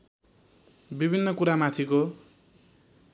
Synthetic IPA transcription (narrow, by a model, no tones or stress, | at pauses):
bibʱinːʌkuɾamat̪ʰiko